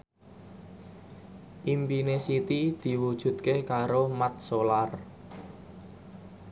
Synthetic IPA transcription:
ʔimpinesit̪id̪̥i̤wud̥ʒ̥ṳt̪̚kekaɾomat̪̚solar

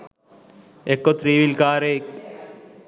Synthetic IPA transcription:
ekːot̪ɾiːʋilkaːɾe

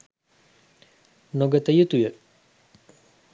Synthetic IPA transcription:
noɡat̪ajət̪ujøʔ

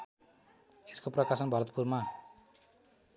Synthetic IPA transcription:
eskoprʌkasʌnbʱʌɾʌt̪̚purma

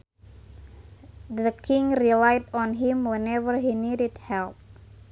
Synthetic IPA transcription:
dəkʰĩŋrilajdɔ̃nɦĩmwɛ̃nɛvəɹɦinidɪdhɛlp̚

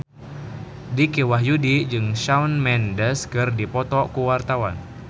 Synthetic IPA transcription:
dikewaɦjudid͡ʒɨŋʃaunmɛndəskɨrdipɔt̪ɔkuwart̪awan

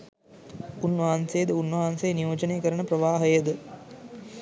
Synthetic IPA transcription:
unːʋɐɦansejəd̪əunːʋɐɦansejnijoːd͡ʒɐneːkəɾəɳəpɾɐʋaːɦəjəd̪ə

